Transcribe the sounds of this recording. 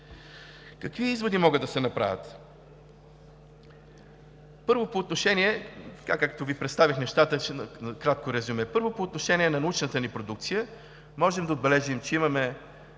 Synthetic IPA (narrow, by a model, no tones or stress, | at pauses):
kəkviizvod̪imɔɡəd̪ɐsɛnɐpɾa̰vʲət̪ | pɤɾvopoːt̪noʃɛniɛt̪ɐ̥kakak̚t̪ovipɾɛt̪st̪avʲixnɛʃt̪at̪əkɾat̪̚koɾɛzumɛpɤɾvopoːt̪noʃɛniɛnɐnɐut͡ʃnət̪ənipɾod̪uk̚t̪sijə | mɔʒɛmd̪ɐod̪̚bɛlɛʒimt͡ʃɛimɐmɛ